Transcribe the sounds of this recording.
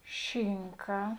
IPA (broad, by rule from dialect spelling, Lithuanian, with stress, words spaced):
ˈʃʲɪŋkɐ